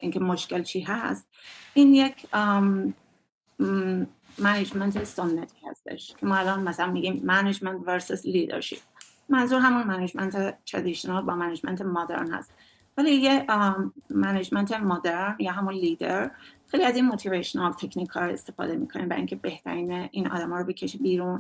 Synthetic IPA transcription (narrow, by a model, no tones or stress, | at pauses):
ʔiŋcʰe̞moʃke̞lt͡ʃʰiːɦæst̪̚ʔiːnjecʰ | mæned͡ʒment̪ʰeso̞nːæt̪ʰiːhæ̰st̪e̞̰ʃcʰemɒːælɒːnmæsælænmiːɟiːmːæned͡ʒment̪veɾsusliːd̪ḛɾʃḭp̚ | mænzuːɾɦæmunmæned͡ʒmænt̪ʰet̪ʰɾḛd̪iʃonɑlbɒːmæned͡ʒmæ̰nt̪ʰemod̪ḛɾnhæ̰st̪ | vælije | mæned͡ʒment̪ʰemod̪eɾnjɒːɦæmunliːd̪eɾxejliæzinmot̪ʰiveʃonɑlt̪ʰecʰniːkʰhɒːɾoe̞̰st̪e̞fɒ̰ːd̪e̞miːkʰo̞niːmvæ̰iŋcʰe̞be̞ht̪ʰæ̰ɾiːneʔiːnɒ̰ːd̪æmɒːɾobecʰeʃiːbiːɾun